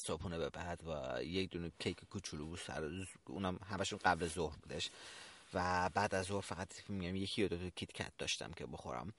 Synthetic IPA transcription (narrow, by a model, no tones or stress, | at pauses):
sopʰuːnebebæd̪̥væ̰jecd̪unecʲʰejkʰekʰut͡ʃʰulubuːsæ̰ɾṵːnæmɦæmæʃunɢæblezohɾbuːd̪eʃvæbæːd̪æzːohɾfæɣæt̪si̥fimiɡæimjekʰijed̪ot̪ʰocʰit̪cʰæ̰t̪̚d̪ɒ̰ʃt̪æ̰mcʰebo̞xo̰ɾæ̰m